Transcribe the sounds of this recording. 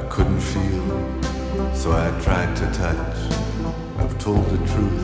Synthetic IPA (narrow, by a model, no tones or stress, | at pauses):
ɪkʰʊdⁿn̩tfilˠ | soʊaɪɨd̚tʰɹ̥aɪd̚tʰɨtʰʌt͡ʃ | ʔaɪv̥tʰoʊlˠd̪̚ðɨtʰɹ̥ʉ